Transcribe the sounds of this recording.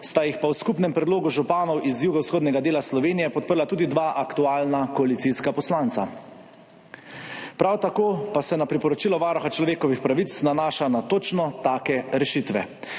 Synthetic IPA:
st̪ajixpawskupnɛmpɾɛd̪loːɡuʒupaːnɔwʔizjuːɡawsxoːd̪nʲɛɡad̪eːlaslɔʋeːnijɛpɔt̪̚pəɾlat̪uːd̪id̪ʋaʔakt̪uaːlnakɔalit̪siskapɔslaːnt̪sa̰ | pɾawt̪akoːpasɛnapɾipɔɾɔt͡ʃilɔʋaːɾɔxat͡ʃlɔʋeːkɔʋixpɾaʋit̪snanaːʃanat̪oːt͡ʃnɔt̪aːkɛɾɛʃit̪ʋɛ̰

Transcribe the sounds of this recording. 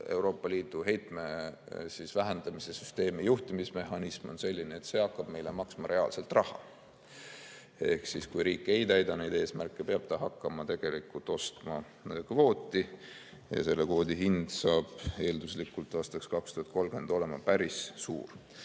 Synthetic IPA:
e̞wɾo̞ːpːˑɑliːt̪ˑuɦe̞jt̪me̞ | sisvæɦænd̪̥ɑmise̞sy̥st̪e̞ːmijuht̪imisme̞hɑnismo̞nse̞lʲːineet̪se̞ɑkːˑɑb̥me̞jlemɑksmɑɾe̞ɑːlse̞lt̪rɑhɑ̰ | e̞hksiskujɾiːkːˑejt̪æjd̪ɑnejd̪e̞ːsmærkːˑepeɑb̥̚t̪ɑɦɑkˑːɑmɑt̪e̞ɡ̥e̞likːˑult̪ːˑo̞st̪mɑ | kvo̞ːt̪ʲːˑi | jɑ̰se̞lːe̞kvo̞ːd̪iɦind̪̥sɑːb̥e̞ːld̪uslikːˑult̪ːˑɑːst̪ɑkskɑkst̪uhɑdt̪̚ko̞lɡ̥e̞nd̪o̞le̞mɑpæɾisːṵːr

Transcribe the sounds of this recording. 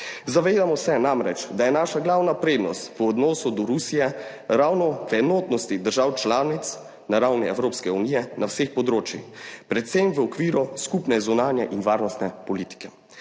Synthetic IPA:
zaʋeːd̪amɔsɛnamɾɛt͡ʃd̪ajɛnaːʃaɡlaːwnapɾeːd̪nɔ̰st̪ʋəɔd̪nɔːsud̪ɔɾusijɛ | ɾawnɔʋɛnɔːt̪nɔst̪id̪əɾʒawt͡ʃlaːnit̪s | naɾawniɛwɾoːpskɛunijɛnʔawsexpɔd̪ɾoːt͡ʃjḭxpɾɛt̪semʋəɔkʋiːɾɔskupnɛzunaːnjɛʔinʋaːɾnɔst̪nɛpɔliːt̪i̥kɛ

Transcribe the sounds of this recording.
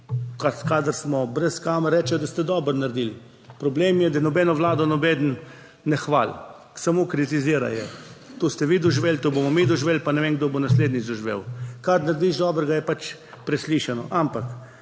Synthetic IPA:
kakaːd̪əɾsmɔbɾɛskaːmɾɛːt͡ʃɛjd̪ast̪ɛd̪ɔbəɾnaɾd̪il | pɾɔbleːmjɛd̪anɔbɛːnɔʋlaːd̪ɔnɔbeːd̪nː | ɛxʋa̰l | samokɾit̪iziəɾa̰jɛt̪ost̪ɛʋiːd̪ɔʒʋelt̪oːbomɔmid̪ɔʒʋeːlpanɛʋenɡd̪obonasleːd̪nizɔʒʋḛwkaɾnaɾd̪iʒd̪ɔːbəɾɡajɛpat͡ʃ | pɾɛsliʃanɔ̰ʔampak

